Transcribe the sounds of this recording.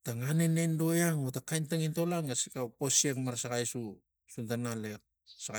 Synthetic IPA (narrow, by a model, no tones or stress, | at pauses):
taŋanenendo̞jaŋotakajntaŋinto̞laŋɡasikawposiekmaɾsaɡajsu | suntanalek̚ | saɡa